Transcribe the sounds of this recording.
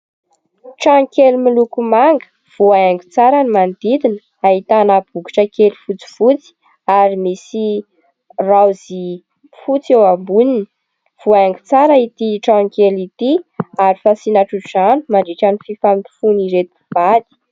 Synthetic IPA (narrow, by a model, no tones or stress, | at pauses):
ʈ͡ʂãkelimilukumaŋɡə̥ | v̥uaaŋɡit͡saɾanimand̪id̪inə | aɦit̪anab̥uki̥ʈ͡ʂəkelifut͡si̥vut͡si̥ | aɾimisi | rawzi | fut͡sewabunini | v̥uaaŋɡi̥t͡saɾəit̪iʈ͡ʂãkelit̪iaɾifasinaʈ͡ʂuzani̥maɖ͡ʐiʈ͡ʂanififamii̥funiɾet̪ib̥ad̪i̥